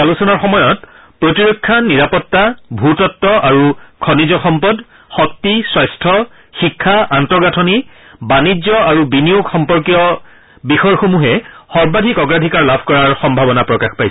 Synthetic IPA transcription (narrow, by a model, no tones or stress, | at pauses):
alusɔnaɹxɔmɔjɔt̚ | pɹotiɹokʰːaniɹapɔtːabʱutɔtːɔʔaɹukʰɔnizɔxɔmpɔd | xɔk̚tiswɔjstʰɔ | xikʰːaʔantɔɹɡatʰɔnibanid͡ʒzɔaɹubinijuɡxɔmpɔɹkijɔ | bixɔjxomuɦɛxɔɹbadʱikɔɡɹadʱikaɹlabʱkɔɹaɹxɔmbʱabɔnapɹɔkaxpajsɛ